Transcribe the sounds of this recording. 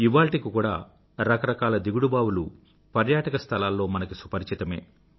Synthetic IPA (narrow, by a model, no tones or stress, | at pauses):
iʋaːɭʈikikuːɽa̰ː | ɾɐkɐɾɐkaːlɐd̪iɡuɽubaːwulu | pɐɾjaːʈɐkɐst̪ʰɐlaːlːo̞ːmɐnɐkisupɐɾt͡ʃit̪ɐme̞̰ː